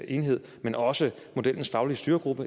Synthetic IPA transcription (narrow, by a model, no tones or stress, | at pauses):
ʔe̝nɦe̝ð̰ˠmenɒ̽sə | mo̝d̥el̰n̩sfɑ̈ʊliəsd̥yːɐɡ̥ʁub̥ə